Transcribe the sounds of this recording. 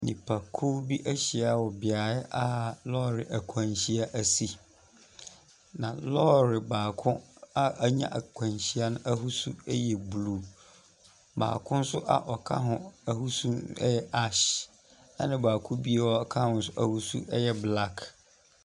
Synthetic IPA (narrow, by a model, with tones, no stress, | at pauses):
nĩ˨pʰa˨kʰo˦bi˦ʔæ˦ɕi˨a˨wɔ˨bɪ˨a˨ɪ˦ʔa˦lɔ˦ɾɪ˨ʔa˨kʷʰã˨ɲɕi˦a˦ʔæ˨si˦ | nã˨lɔ˦ɾɪ˨baː˨kʰʊ̃˦a˦ʔa˦ɲã̰˦ʔa˨kʰʷã˨nɕi˦a˦nʊ̃˦ʔa˦ɦu˦su˦ɛ˦jɛ˨bluː˦˨ | ba̰ː˨kʰʊ̃˦n̩˦sʊ˦ʔa̰˨ʔɔ˨kʰa̰˦ɦʊ̃˨a˦hu˦sũ˦ɛ̰˦jɛ˦ʔa˦ɕ | ɛ˦nɪ̃˦baː˨kʰʊ̃˦bi˦e˦wɔ˦˨kʰa˦˨˦n̩˦sʊ˦ʔa˦hu˦sṵ˦ʔɛ˦jɛ˦bla˦kʰ